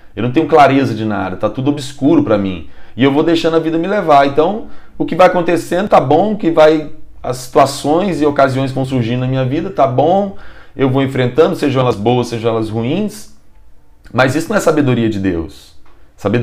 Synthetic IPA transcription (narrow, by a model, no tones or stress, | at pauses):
ewnɐ̃t̪ẽɲ̃ʊ̃klaɾezɐd͡ʒɪna̰d̪ɐt̪at̪ud̪ʊobɪskuɾʊpɾɐmḭ̃ɪewvod̪ejʃɐ̃nd̪ɐvid̪ɐmɪlevaɾẽnt̪ɐ̃w̃ʊkɪvajakõnt̪esẽnd̪ʊt̪abõw̃ʊkɪvaj | ɐ̰sːi̥t̪uasõj̃zɪokaziõj̃s̬vɐ̃w̃suɾʒĩd̪ʊnɐmĩɲɐvid̪ɐt̪abõw̃ewvowẽfɾẽnt̪ɐ̃nd̪ʊseʒɐ̃ɛlɐzbowɐseʒɐ̃w̃ɛlɐshuĩs | mɐzisʊnɐ̃w̃ɛsabed̪oɾiɐd͡ʒɪd̪ḛwsːabe